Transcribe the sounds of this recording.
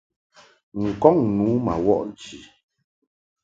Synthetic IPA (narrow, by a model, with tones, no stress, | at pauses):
ŋ̩˨kɔ˦˨ŋnuː˨˦ma̰˨wɔ̰˦ʔn˨˦t͡ʃi˨